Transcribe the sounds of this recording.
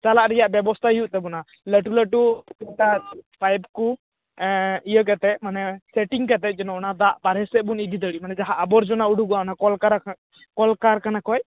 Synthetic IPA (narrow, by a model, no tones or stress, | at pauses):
t͡ʃalaʔɾɛjaʔbjɛbɔst̪ʰaijuʔt̪ɛbɔna | ləʈuləʈuiʈapʰajbku | ijək̬at̪ɛʔ̪̚manɛsɛʈiŋkat̪̬ɛt̪̚ˀd͡ʒɔnɔnad̪aʔpaɾɦɛsɛbunid̪id̪əɽiʔmanɛd͡ʒaɦaʔːbɔɾd͡ʒɔnauɽʱuɡanakɔlkaɾ | kɔlkaɾkanakɔj